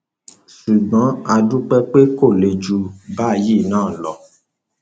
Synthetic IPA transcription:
ʃu˨ɡ͡bɔ̃˨˦a˧du˦k͡pɛ˦k͡pe˦ko˦˨le˨d͡ʒu˨ba˦˨ji˦˨nãː˦˨lɔ˨

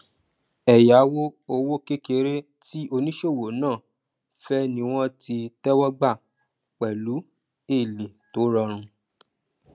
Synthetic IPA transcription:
ɛ˨ja˨˦wo˦o˧wo˦ke˦ke˨˦ɾe˦ | ti˦o˧nĩ˦ʃo˦˨wo˨nãː˦˨ | fɛ˦nĩ˧w̃ɔ̃˦ti˧tɛ˦wɔ˦ɡ͡ba˦˨ | k͡pɛ˨lu˨˦ | e˦˨li˨to˨˦ɾɔ˧ɾ̃ũ˧

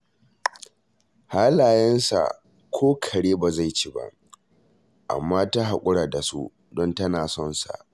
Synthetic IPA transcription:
ha˦laː˨jɛ˦nsa̰˨ | kʷʰoː˦kʰɐ˨ɽeː˦ba˨za˦˨jt͡ʃi˦ba̰˦ʔ | ʔa̰˨mːaː˦ta˦ɦa˨kʷʼʊ˦ɽaː˨da˨sṵ˦ | dɔ˦ntɐ˦naː˨sɔ˦nsa̰˨ʔ

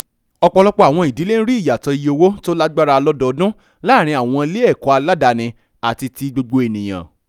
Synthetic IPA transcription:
ɔ˧k͡pɔ˧lɔ˦k͡pɔ˦a˨w̃ɔ̃˧˨i˨di˨˦le˦n̩˦ɾi˦˨ja˨tɔ˧i˨˧jo˧wo˦to˦la˦ɡ͡ba˦ɾa˧lɔ˦dɔ˦˨˧dũ˦ | la˦˨ɾ̃ĩ˧a˨w̃ɔ̃˧le˦ɛ˦˨kɔ˨˦a˧la˦da˧nĩ˧ | a˨ti˧ti˧ɡ͡bo˧ɡ͡bo˧e˨nĩ˨j̃ã̰˨

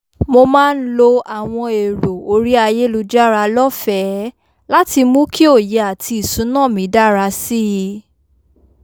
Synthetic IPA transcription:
mo˧mãː˦˧n̩˦lo˧a˨w̃ɔ̃˧e˨ɾo˨o˧˦ɾi˦a˧je˦lu˧d͡ʒa˦ɾa˧lɔ˦fɛ˦ | la˦ti˧mũ˦ki˦o˦˨je˨˦a˨tʰi˧i˨sũ˨˦nãː˦˨mĩ˨˦da˦ɾa˧si˦ji˧

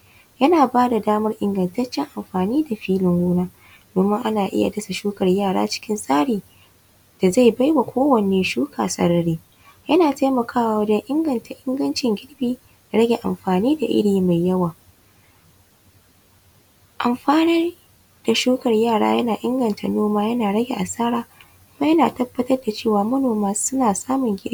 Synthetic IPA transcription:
jɐ˦naː˨baː˦da˨daː˦mɐ˦rʔɪ˦ŋɡɐ˨ntɐ˦t͡ʃːɛ˦ŋʔa˨mɸaː˨niː˦da˨ɸiː˦lɪ˨ŋɡuː˦naː˦ | d̥oː˨mɪ˦ŋʔa˦naː˨ʔɪ̰˦ja̰˨dɐ˦sa˨ʃuː˦kɐ˨rjaː˦˨ɽa̰ː˦t͡ʃɪ̥˦kʲɪ˦nsʼaː˦ɽiː˨ | d̥a˨za˦˨jba˦jwa˨kʷʰoː˦wɐ˨neː˨ʃuː˦kʰaː˨sɐ̰˨˦ɽɐ˦ɽiː˦ | jɐ˦naː˨ta˦mɐ˨kʰaː˦wa˨wɐ˦d͡ʒɛ˦ŋʔɪ˦ŋɡɐ˨ntʰa˨ʔɪ˦ŋɡɐ˦nt͡ʃɪ˨ŋɡʲɪ˦ɽbiː˨ | da˨ɾɐ˦ɡʲe˨ʔa̰˨mɸaː˨niː˦da˨ʔɪ̰˦ɽiː˨ma˨jjɐ˦waː˨ | ʔa˨mɸaː˦nɐ˦r | d̥a˨ʃuː˦kɐ˨rjaː˦˨ɽa̰ː˦jɐ˦naː˨ʔɪ˦ŋɡɐ˨nta˨noː˦maː˦jɐ˦naː˨ɽɐ˦ɡʲḛ˨ʔa˨saː˦ɾaː˦ | kʷʊ˦maː˦jɐ˦naː˨tɐ˦bːɐ˦tɐ˦rda˨t͡ʃeː˦˨waː˨mɐ˦noː˨maː˦sʊ˦naː˨saː˦mʊ˨ŋɡʲɪ˦

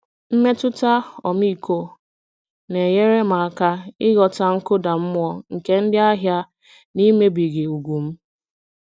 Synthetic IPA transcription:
m̩˦me˦tʊ˦ta˦ɔ̰˨m˦i˦ko˦ | ne˨je˦ɾe˦ma˨a˨ka˦ɪ˦ɣɔ˨ta˦ŋ̩˦kʊ˦da˨m̩˦mʷ˦ɔ˦ŋ̩˨ke˦n̩˦dɪ˦a˦ɦja˦ | ni˦me˦bi˨ɡɪ˨u˨ɡʷu˨m̩˦

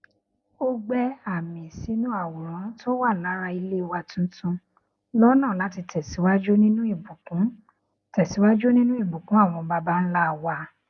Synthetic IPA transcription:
o˦ɡ͡bɛ˦a˨mĩ˨si˨˦nũ˦a˦˨wu˨ɾ̃ɔ̃˨˦ɾ̃to˦wa˦˨nãː˨˦ɾa˧i˧le˦˨wa˧tũ˦tũ˧ | lɔ˦nã˦˨nã˨˦ti˧tɛ˨si˨˦wa˦d͡ʒu˦nĩ˦nũ˦i˦˨bu˨kũ˨˦ | tɛ˨si˨˦wa˦d͡ʒu˦nĩ˦nũ˦i˦˨bu˨kũ˦a˦˨w̃ɔ̃˧ba˧ba˦n̩˦la˦˨wa˧

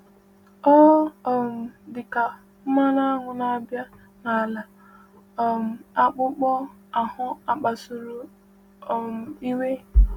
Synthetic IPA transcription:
ɔ˦˨m̩˨dɪ˨ka˨˦ | ma˦na˦ŋʷʊ˨na˨a˨bja˦ | na˨la˨ | m̩˨a˦k͡pʊ˦k͡pɔ˦ | a˨hʊ˦a˦k͡pa˨sʊ˨ɾʊ˨ | m˨i˦we˦

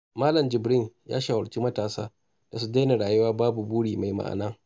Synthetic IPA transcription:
maː˦lɐ˨md͡ʒɪ˨bɽɪ˦nja̰ː˦ʃaː˨wɐ˨ɽt͡ʃi˦mɐ˦taː˨sa̰ː˦ | d̥a˨su˦da˦na˨ɽaː˨jʊ˦waː˦baː˦bu˨buː˦ɽiː˨ma˨jma̰˨ʔa̰˨naː˦

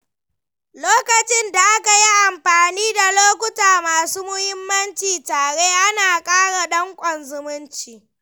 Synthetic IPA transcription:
loː˦kɐ˨t͡ʃɪ˦nda˨ʔa˦ka˨ji˦ʔa˨mɸaː˨niː˦da˨loː˦kʷʊ˦taː˨maː˨suː˦mʊ˦hɪ˦mːɐ˦nt͡ʃiː˨taː˨ɽeː˦ʔa˦naː˨kʼaː˦ɽa˨ɗɐ˦ŋkʷʼɔ˨nzʊ˨mʊ˦nt͡ʃiː˨

